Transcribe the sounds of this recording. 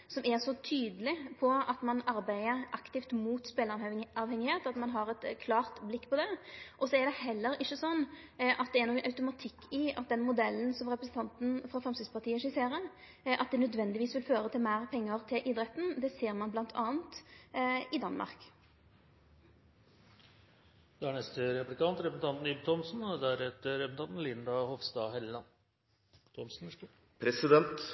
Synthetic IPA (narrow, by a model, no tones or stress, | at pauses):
sɔmɛʁsɔt̪ʰyːd̪əlɪpʰɔɑt̪mɑnɑɾbæɪəʔɑkt̪ɪft̪muːt̪speːlɑɑːʋhɛŋːɪheːt̪ɑt̪mɑnɦɑɾɛt̪kʰlɑːʁt̪blɪkːpʰɔd̪ɛʔɔsɔɛɾɖ̪ɛhɛlːəɾɪçːəsɔnː | ʔɑt̪̚d̪ɛːɾnɔkːənʔɑʉt̪ʊmɑt̪ʰɪkːɪɑt̪̚d̪ɛnmʊd̪ɛlːənsɔmɾʁɛpɾəsn̩t̪ɑnt̪n̩fɾɑfʁɛmsɪspɑʁt̪ʰiːəʂɪseːɾə | ʔɑt̪̚d̪ɛnœd̪ʋɛnd̪ɪʋiːsʋɪlføːɾət̪ʰɪlmæːʁpʰɛŋːəʁt̪ʰɪlʔɪd̪ɾɛt̪ːn̩d̪ɛːseːʁmɑnblɑnt̪ʰɑːənt̪ | ɪd̪ɑnmʔɑ̰ʁk | d̪̥ɛæɳɛst̪əɾɛplɪkɑnt̪ɾɛpəsn̩t̪ɑnt̪nʏbt̪ʰɔmsn̩d̪æɾhɛt̪əɾɛpsn̩ʰɑnt̪n̩lɪnd̪ɑhɔʋst̪ɑːhɛllɑn | t̪ʰɔmsn̩ | pʰɾɛsɪd̪ɛnt̪